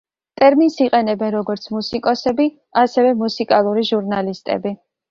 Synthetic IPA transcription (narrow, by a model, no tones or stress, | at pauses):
t̪ʼɛɾminsiqʼɛnɛbɛnɾɔɡɔɾt̪sʰmusikʼɔsɛbi | asɛvɛmusikʼalˠuɾiʒuɾnalist̪ʼɛ̰bi